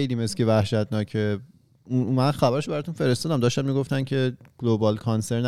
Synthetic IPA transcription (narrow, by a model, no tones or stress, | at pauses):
ejliːmescevæhʃæt̪ʰnɒːcʰe | umænxæbæɾeʃobæɾɒːt̪unfe̞ɾe̞st̪ɒːd̪æmd̪ɒːʃt̪æmmiːɡoft̪æncʰe̞ɡ̥lobɒːlkʰɒnseɾn